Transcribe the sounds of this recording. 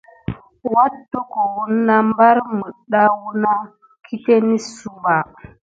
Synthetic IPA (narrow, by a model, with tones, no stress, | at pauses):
wa˦tːo˦ko˨wu˦nnːa˦m˦ba˦ɾmə˨ɗa˦wu˦na˦ | kʰi˦te˦ni˦su˦mba˨